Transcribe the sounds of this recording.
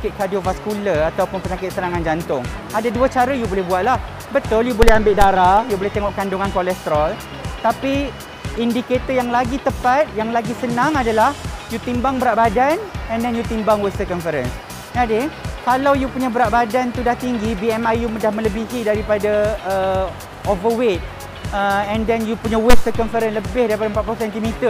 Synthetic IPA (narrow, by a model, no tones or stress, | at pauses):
akɪt̪̚kadiovaskuləat̪awpʊnpəɲakɪt̪̚sənaŋand͡ʒant̪ʊŋ | adaduət͡ʃaɾajubolɛhbuat̪̚lah | bət̪ʊljubolɛhambɪt̪ʔ̚daɾajubolɛht̪eŋɔʔkanduŋankolɛst̪ɾɔl | t̪api | indiket̪əjaŋlaɡit̪əpat̪̚jaŋlaɡisənãŋadalahjut̪imbaŋbəɾaʔbadanɛ̃ndɛnjut̪imbaŋwɪst̪əkɔnfəɾən | nadekalawjupuɲabəɾaʔbadant̪udaht̪iŋɡibiɛmajjumədahmə̃ləbiɦidaɾipadaə | ovəwet̪̚ | əɛ̃ndɛnjupuɲawɪst̪əkɔnfəɾənləbɪhdaɾipadaəmpat̪̚pluusɛnt̪imit̪ər